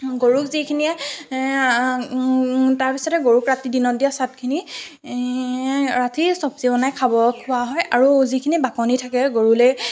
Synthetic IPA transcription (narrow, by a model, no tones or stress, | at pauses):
ɡoɹukzikʰiniɛ | taɹpisɔtɛɡoɹukɹatidinɔtdijasat̚kʰini | ɹatisɔpzibɔnajkʰabɔkʰʊaɦɔjaɹuzikʰinibakɔnitʰakɛɡoɹulej